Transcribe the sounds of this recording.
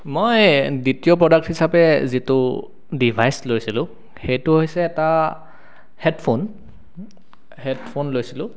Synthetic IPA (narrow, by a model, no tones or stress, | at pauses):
mojditijɔpɹɔdak̚thisapɛzitʊ | dibʱajslojsilʊ̃ | xejtʊɦojsɛːta | hɛdpʰon | hɛdpʰonlojsilʊ̃